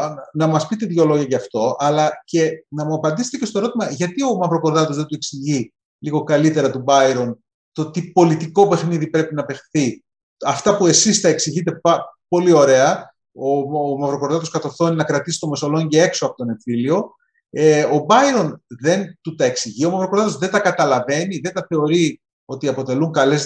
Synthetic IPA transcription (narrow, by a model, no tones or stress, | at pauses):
nɐmɐspit̪eðʝo̞lo̞ʝɐʝɐːft̪o̞ʔɐlɐce̞nɐmuɐpɐnd̪iset̪ecest̪oɾo̞t̪imɐʝɐt̪io̞mɐvɾo̞ko̞ɾðɐt̪o̞zðed̪ue̞ksiʝi | liɣo̞kɐlit̪e̞ɾɐt̪ubɐiɾo̞n | t̪o̞t̪ipo̞lit̪iko̞pe̞xniðipɾe̞pinɐpe̞xθi | ɐft̪ɐpue̞sist̪ɐeksiʝit̪e̞pɐpo̞lio̞ɾe̞ɐ | omɐvɾo̞ko̞ɾðɐt̪o̞skɐt̪o̞θo̞ninɐkɾɐt̪isi̥t̪ome̞so̞lo̞ɲɟee̞kso̞ɐpo̞t̪one̞tθilio̞ | eobɐjɾo̞nðe̞nt̪ut̪ɐe̞ksiʝio̞mɐvɾokoðɐt̪o̞zðe̞nt̪ɐkɐt̪ɐlɐve̞niðe̞nt̪ɐθe̞o̞ɾi | o̞t̪iɐpo̞t̪e̞luŋkɐle̞z